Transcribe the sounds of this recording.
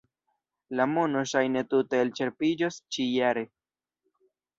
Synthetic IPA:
lamonoʃajne̞tute̞ːlt͡ʃe̞ɾpid͡ʒost͡ʃijaɾe̞

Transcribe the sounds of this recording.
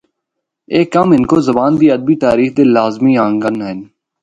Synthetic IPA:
eːkːəmɦɪnkoːzəbaːnd̪iːəd̪̚biːt̪aːɾiːxd̪eːlaːzmĩːãːŋɡənɦɪn

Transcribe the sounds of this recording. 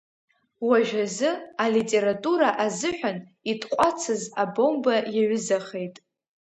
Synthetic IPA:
waʒᶣazɨalitʼe̞ɾatʼuɾaʔazɨħʷᶣanitʼqʷʼat͡sʰɨzabo̞mbajaɥʊzaχe̞jtʼ

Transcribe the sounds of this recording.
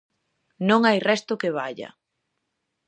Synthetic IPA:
nõŋajrɛst̪ʊkeβ̞aʎɐ̰

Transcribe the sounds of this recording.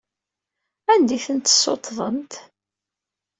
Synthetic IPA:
ænd̪iθənt̪ə̥sːot̪ːðˤənt̪

